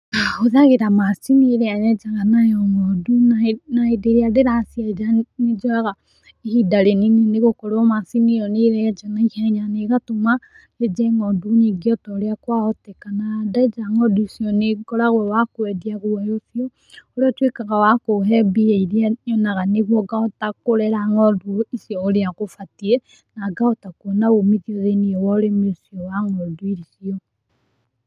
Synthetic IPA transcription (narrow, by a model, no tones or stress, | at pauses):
aoðaɣeɾamasinieɾeanɛd͡ʒaɣanajɔŋɔdunanaedeɾeadeɾasiaed͡ʒaned͡ʒɔaɣa | ehidaɾenineneɣokoɾoɔmasinijɔneɾɛad͡ʒɔnaihɛɲaneɣatoma | ed͡ʒɛŋɔduneɡiɔtɔɾeakwaotekanadaed͡ʒaŋɔdusiɔneɡɔɾaɣwɛwakoɛdiaɣowajoθiɔ | oɾeɔtwekaɣawakoɦɛbiɛiɾiaɲɔnaɣaneβwɔɡaotakoɾɛɾaŋɔduisiɔoɾeaɣofatiɛ | naɡaotakuɔnaomiðioðeniɛwɔɾemesiɔwaŋɔduiɾisiɔ